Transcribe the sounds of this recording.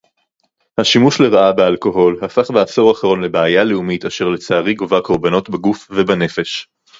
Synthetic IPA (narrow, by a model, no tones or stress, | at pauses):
haʃimuʃle̞ʁaʔabealko̞ɦo̞lhafaχbeaso̞ʁaχaʁo̞nle̞beajaleumitaʃe̞ʁlet͡saːʁiɡovako̞ʁbano̞tbaɡufvebane̞fe̞ʃ